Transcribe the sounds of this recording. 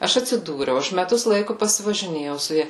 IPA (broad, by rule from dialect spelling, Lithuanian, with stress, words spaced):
ˈɐʃ ɐtʲsʲɪˈduːrʲɛʊ ˈɐʃ mʲɛˈtʊs ˈlˠɐɪkʊ pɐsʲɪʋɐʒʲɪˈnʲeːjɛʊ sʊ ˈjɛ